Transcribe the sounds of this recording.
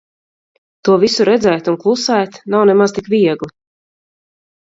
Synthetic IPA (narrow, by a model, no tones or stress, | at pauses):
t̪uɔvisuɾɛd̪zɛjt̪unklˠusɛjt̪nawnɛmaz̥t̪ikviɛɡlˠi